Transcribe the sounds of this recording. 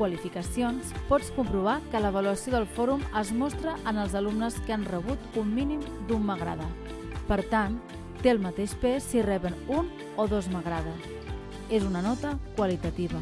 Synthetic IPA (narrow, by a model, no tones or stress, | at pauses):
wəlifikəsionspɔt͡skumpɾuβ̞akələβ̞əluəsioðəlˠfɔɾuməzmɔst̪ɾəʔənəlˠzəlumnəskanrəβ̞ut̪umːinimd̪umːəɣɾa̰ðə | pəɾt̪an | t̪ːeəlˠmət̪eʃpɛsːirɛβənun | oðozməɣɾaðəs | ezunənɔt̪əkwəlit̪ət̪iβə